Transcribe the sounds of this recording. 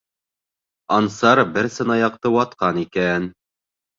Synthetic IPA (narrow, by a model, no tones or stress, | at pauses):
ɑnsɑɾbɘɾsɤ̆nɑjɑq̚t̪ɤwɑt̪qɑnikæn